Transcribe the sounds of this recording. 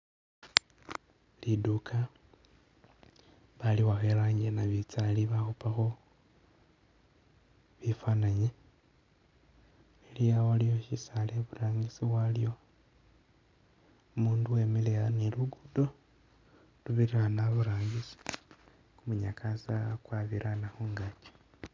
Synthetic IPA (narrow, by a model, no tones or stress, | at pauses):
lidukʰa | βaliwaxelaɲɡenaβit͡saliβaxupaxo̞ | βifanaɲe | elijawalijoʃisaleβuɾaːŋɡisiwalijo̞ | umuːnduwe̞meleaneluɡudo̞ | luβiɾianaβuɾaːŋɡisi̥ | kumuɲakʰasakwaβiɾanaxoŋɡat͡ʃe̥